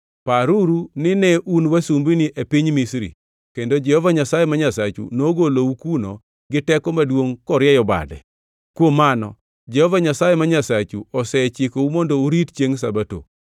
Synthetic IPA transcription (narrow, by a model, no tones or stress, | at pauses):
paɾuɾunɪnɛʔunwasumbiniʔepiɲmisɾḭ | kendod͡ʒɛhɔvaɲasajɛmaɲasat͡ʃṵnoɡoloukuno̰ | ɡɪtɛkɔmadwoŋkɔɾjɛjɔba̰dɛ̰ | kwomanɔ̰ | d͡ʒɛhɔvaɲasajɛmaɲasat͡ʃuɔsɛt͡ʃikoumondouɾitt͡ʃjeŋs̬abato̰